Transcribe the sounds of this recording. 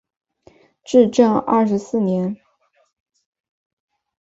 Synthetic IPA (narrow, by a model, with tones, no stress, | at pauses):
ʈ͡ʂɻ̩˥˧ʈ͡ʂɤ˥˧ŋɐ̰˥˩ʂɻ̩˧˥sɹ̩˥˩njɛ˧˥n